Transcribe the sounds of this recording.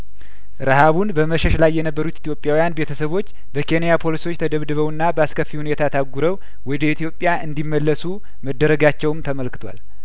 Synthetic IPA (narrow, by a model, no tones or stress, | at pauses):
ɾɨhaβunbəməʃɛʃlajːɛnəbːəɾut̪it̪ʰjo̞pʼjawijanbe̞t̪ʰəsəβo̞t͡ʃː | bəkʰe̞nijapʰo̞liso̞t͡ʃːt̪ʰəd̪əβd̪ɨβəwɨnːabəaskʰəfːihunet̪ʰat̪ʰaɡuɾəw | wɔd̪əit̪ʰijo̞pʼːjaʔɨnd̪imːəlːəsu | məd̪ːəɾəɡat͡ʃːɛwmt̪ʰəməlkɨ̥t̪ʰwa̰l